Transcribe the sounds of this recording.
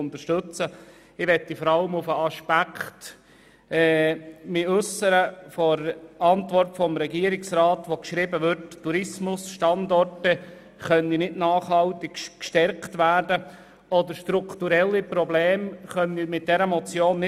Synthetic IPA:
ʊnt̪əʃtɵt͡sə | ɪʋɛtːifɔɾɑləmʊfəɑʃpækχt | ɛːmɪʉsəɾəfɔɾɑntʋɔrtfɔmɾɛɡiəɾɪksrɑːtʋokʃɾɪbəʋʏɾtːuɾɪsmʊsʃtɑndɔrtə | χœninɪdnɑːχhɑltɪkkʃtɛɾktʋæːɾdə | ɔdəɾʃtɾuktuɾɛlːipɾɔbleːmχœnimɪt̚d̥ɛɾəmɔt͡sjoːnːɪ

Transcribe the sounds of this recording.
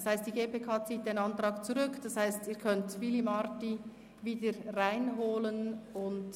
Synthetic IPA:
shaɪst̚d̥iɡeːpeːkʰɑːt͡siːt̚d̥enɑntɾɑːkt͡suʁʏkd̥ɑshaɪstiːkʰœntvilimɑɾti | viːdəɾʁaɪnɦoːlənʊnd

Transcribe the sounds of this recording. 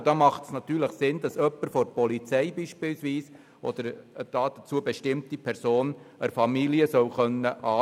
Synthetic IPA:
d̥ɑmɑχtsnɑt̪yːɾləχsɪnd̥̪ɑsœpːəɾfɔɾpɔlit͡sɛɪbiːʃpiːlsʋiːs | ʔɔ̰d̥̪əɾd̥ɑːd̪̥æt͡suːəbeʃtɪmt̪ipʰɛɾsoːnəɾfɑmiliəsœʊχœnːəʔɑː

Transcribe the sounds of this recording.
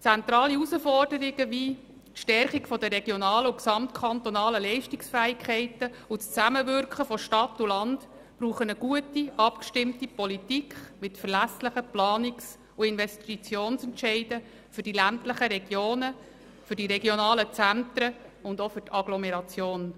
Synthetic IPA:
t͡sænt̪ɾɑːliusəfɔrd̥əɾɪɡəʋiː | tʃtɛɾχikfɔdəɾɛɡ̥jonɑːləʊksɑmtkʰɑnt̪ɔnɑːləlɛɪʃtɪksfæːɪkʰχɛɪtəust͡sæməvʏɾkχəfɔʃtɑtːulɑnd | b̥ɾuːχənəɡ̥uətiʔɑpkʃtɪmtipɔlitikχmɪtfərlæsləχəplɑːnɪks | uɪnʋɛstit͡sjoːnsɛntʃɛɪdə | fʏɾd̥ilæntləχəɾɛɡ̥joːnə | fʏɾdiɾɛɡjonɑːlət͡sænt̪ɾəʊndofʏɾtʰɑɡlɔmɛɾɑt͡sjoːn

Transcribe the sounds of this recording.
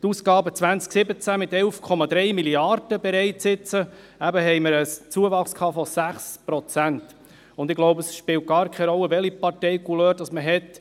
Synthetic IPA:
tuːskɑːbət͡sʋænt͡sksɪbət͡sæmɪt̪ɛlfkʰɔmɑd̪ɾɛɪmiliɑɾd̥əbɛɾɛɪtsɪt͡sə | æbəɦɛjməɾəst͡suəvɑχskʰɑːfɔsæχspɾɔt͡sænt | ʊnd̪ɪɡloʊbəsʃpɪːlt̚ɡ̥ɑːɾkʰɛɾɔlːəʋɛlipɑɾtɛjkuløːɾdɑsməɦɛt

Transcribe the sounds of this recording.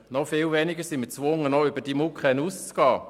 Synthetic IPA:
nɔfɪːlvɛnɪɡəsɪmət͡svʊŋənɔʏb̥əd̥imukχɛnust͡sɡ̥ɑː

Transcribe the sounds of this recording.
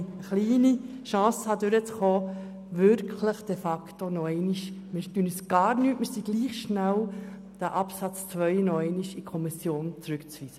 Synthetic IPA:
əχliːni | ʃɑ̃ːshɑd̪øɾət͡sχoː | ʋʏɾkʰləχd̥efɑktonɔɛɪniʃmɪɾtynəsɡ̥ɑːɾnyːtməsiɡ̥liːχʃnæw | d̥æʔɑpsɑt͡st͡sʋœʏnɔɛɪniʃikʰɔmisjoːnt͡sɾʉkt͡sʋiːz̥ə

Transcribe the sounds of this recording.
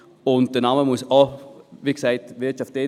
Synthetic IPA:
ʊnt̚d̥ənɑməmuəsɔviːksaɪtvɪɐt͡ʃɑfte

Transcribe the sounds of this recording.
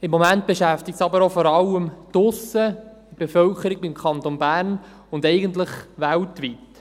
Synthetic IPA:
ɪmːomænt̚b̥eʃæftɪk̚tsɑbəɾofɔɾɑləmtʊsə | ib̥efœlkəɾiɡ̚bɪmkʰɑnt̪onbæːrn | ʊndɛɪɡəntləχʋæltʋit

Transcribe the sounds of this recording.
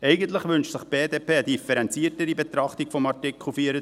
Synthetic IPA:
ɛɪɡənt̪ləχʋʏnʃsɪχb̥eːdeːpʰeːəd̥̪ifɛɾɛnt͡siətəɾibet̪ɾɑχt̪ikfɔmɑɹtɪkχl̩ˠfiːəɾə

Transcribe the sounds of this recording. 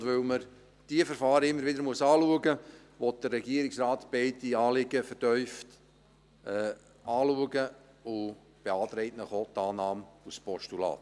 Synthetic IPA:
dvɵlməɾ | d̥iəfəɾfɑːɾəɪmːəɾʋɪdəɾmuəsɑːluəɡə | ʋɔt̚d̥ərːɛɡiəɾɪksrɑːt̪b̥ɛɪdiɑːlɪɡ̥əfəɾtœʏft | ɛ | ɑːluəɡə | ʊ | b̥eɑːt̪ɾɛɪtnəχot̪ːɑːnɑːmuspɔʃtulɑ̰ːt̪

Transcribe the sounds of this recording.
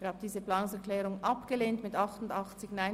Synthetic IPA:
ɪəhaːb̚əd̥iːzəplaːnʊŋsɛɹklɛːʁʊŋɑpɡ̥əleːntmɪtɑχtʊndɑχt͡sɪçnaɪ

